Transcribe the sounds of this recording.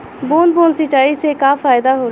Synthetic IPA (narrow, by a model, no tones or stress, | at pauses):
boːnboːnsət͡ʃːaːiːsekaːfaːɪd̪aːɦoː